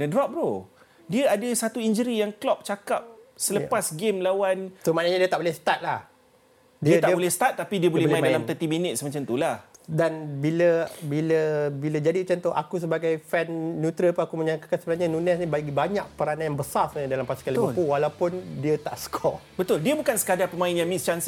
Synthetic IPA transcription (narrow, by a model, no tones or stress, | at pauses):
dədɾɔp̚ɾo | diəadəsat̪uind͡ʒəɾijaŋklɔp̚t͡ʃakap̚sələpasɡɪmlawansəmanaɲadiət̪aʔbolɛhsə̥t̪at̪̚lah | diəəd̪aʔibolɛhsə̥t̪at̪̚ːapidiəbolɛbolmdalamt̪ət̪iminɪt̪̚səmat͡ʃamt̪ulahdanbiləbiləbiləd͡ʒadit͡ʃant̪ohʔa̰kus̬əbaɡajfɛnːut̪ɾiəpunakuməɲak̪akansəbənaɲanunɛsnĩbaɡibaɲak̚pəɾananjaŋbəsarsɲədalampasi̥kaliupuwalawpʊndiət̪aʔsə̥kʰɔbət̪ʊldiəbukansə̥kadaŋpəmãɪnjaŋmist͡ʃans